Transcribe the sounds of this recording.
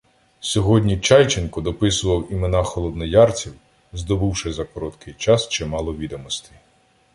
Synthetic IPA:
sʲɔɦɔdʲnʲit͡ʃɑjt͡ʃɪnkʊd̪ɔpɪsʊʋɐwimenɑxɔlˠɔd̪nɔjɑrt͡sʲiw | zd̪ɔbuwʃɪzɐkɔɾɔt̪kʰɪjt͡ʃɑst͡ʃɛmɑlˠɔʋʲid̪ɔmɔst̪ɪ

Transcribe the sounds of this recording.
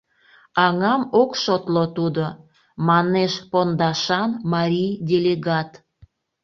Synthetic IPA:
ɑŋɑmokʃot̪lot̪ud̪o | mɑneʃpond̪ɑʃɑnmɑɾʲijdʲeleɡɑt̪

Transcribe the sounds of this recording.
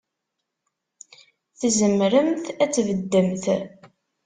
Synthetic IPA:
θzəmɾəmθæt͡sːvəd̪ːəmθ

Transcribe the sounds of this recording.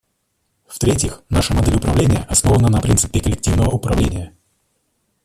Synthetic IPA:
ft̪ɾʲetʲɪxnaʂɨmɐd̪ɛlʲʊpɾɐvlʲenʲɪjəʔɐsno̞vənənɐpɾʲint̪sɨ̥pʲɪkəlʲɪk̚tʲivnəvəʊpɾɐvlʲenʲɪjə

